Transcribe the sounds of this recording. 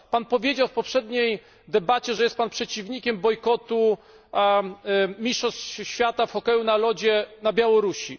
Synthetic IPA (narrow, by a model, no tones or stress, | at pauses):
panpɔvʲjed͡ʑawfpɔpʂɛd̪ɲej | d̪ɛbat͡ɕɛʐɛjɛst̪panpʂɛt͡ɕivɲikʲɛmbɔjkɔt̪u | mʲiʂɔst͡ɕɕfʲjat̪afxɔkɛjunalɔd͡ʑɛnabʲjawɔɾuɕi